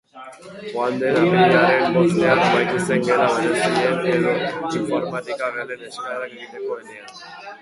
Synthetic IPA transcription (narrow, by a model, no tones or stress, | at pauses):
and̪eɾameɾeaɾenbost̪eakbajk̪iseŋɡeɾaβaɲasieneɾoiɱfoɾmat̪ikaɣeleneskaeɾak̚d̪it̪ekoenean